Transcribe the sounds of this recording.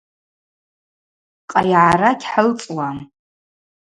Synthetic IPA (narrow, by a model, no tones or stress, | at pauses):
qʼajʕaɾakʲʰħəlt͡sʼwam